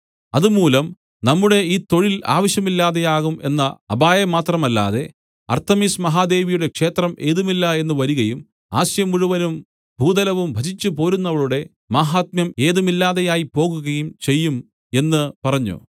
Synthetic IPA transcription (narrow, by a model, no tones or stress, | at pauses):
ɐðumuːlɐm | nɐmːuɽe̞iːt̪o̞ɻila̰ːʋɐɕjɐmilːaːðejaːɣume̞̰nːɐɐbaːjɐmaːt̪rɐmɐlːa̰ːðe̞ | ɐ̰rt̪ɐmiːsmɐɦaːd̪e̞ːʋijuɽe̞kʂe̞ːt̪rɐmʔe̞ːðumilːɐe̞nːuʋɐɾuɣɐjum | aːɕjɐmuɻuʋɐnum | bʱuːd̪ɐlɐʋumbʱɐt͡ɕit͡ɕːupo̞ːɾunːɐʋɐɭuɽe̞ | maːɦaːt̪̚mjɐme̞ːðumilːaːðejaːjipo̞ːɣuɣɐjumt͡ɕe̞jːum | e̞nːɨpɐrɐɲːṵ